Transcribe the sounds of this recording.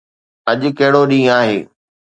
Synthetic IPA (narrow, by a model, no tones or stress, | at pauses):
ɐʄʊ̆kɐɦɪɽoɗĩːaːɦeː